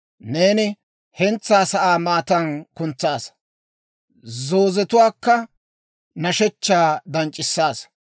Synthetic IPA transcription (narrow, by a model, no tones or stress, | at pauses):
ne̞ːnɪ | hɛnt͡sːaːsɐʔaːmaːt̪ɐnkʊnt͡sːaːs | zoːzɛt̪ʊwaːkːɐ | nɐʃɛt͡ʃːaːd̪ɐnt͡ʃʼɪsːaːs